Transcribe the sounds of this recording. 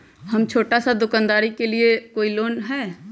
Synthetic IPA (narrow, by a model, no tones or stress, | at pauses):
hɐmt͡ʃʰoːʈasad̪ʊkaːnd̪aːɾikeliekoːiloːnɦɛː